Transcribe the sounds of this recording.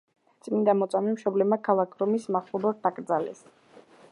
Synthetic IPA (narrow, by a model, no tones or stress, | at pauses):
t̪sʼmind̪amɔt̪sʼamimʃɔblɛbmakʰalˠakʰɾɔmismaχlˠɔbɔɾt̪ːakʼɾd̪zalɛ̰s